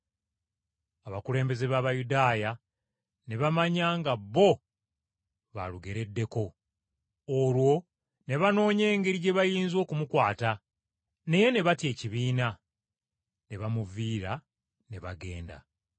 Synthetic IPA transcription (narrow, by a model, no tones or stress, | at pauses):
aβakule̞ːmbe̞ze̞βaːβajudaːja | ne̞βamaɲaːŋɡabːo̞ | βa̰luɡe̞ɾe̞dːe̞ko̞ː | lwo̞ | ne̞βano̞ːɲe̞ːŋɡeɾiɟe̞βajiːnzo̞ːkumukwaːta | ne̞je̞ne̞βatje̞ːciβiːna | ne̞βamuviːɾa | ne̞βa̰ɡe̞̰ːnda̰